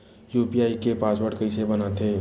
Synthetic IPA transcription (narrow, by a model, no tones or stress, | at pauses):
juːpiaːikepaːswəɽkəɪsebənat̪ʰeː